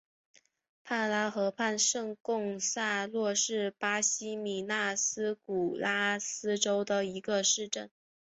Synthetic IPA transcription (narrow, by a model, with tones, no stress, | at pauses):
pʰa˥˩nla˥xɤ˧˥pʰa˥˧nʂɤ˥˧ŋkʊ˥˧ŋsa˥˧lwɔ˥˧ʂɻ̩˥˩pa˥ɕi˥mi˨˩na˥˩sɹ̩˥ku˨˩la˥sɹ̩˥ʈ͡ʂo˥ʊd̪ə˨˩i˧˥ɡə˧ʂɻ̩˥˧ʈ͡ʂə˥˩n